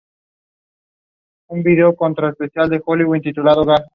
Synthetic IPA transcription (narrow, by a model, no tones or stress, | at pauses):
unbid̪eokɔnt̪ɾɔespesjald̪exoliwunt̪it̪ulad̪oɡa